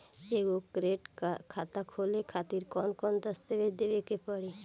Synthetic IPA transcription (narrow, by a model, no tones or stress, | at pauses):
eɡokɾeʈakʰat̪akʰolekʰat̪iɾkɔnkɔnd̪əst̪ebed̪ebekepɔɽe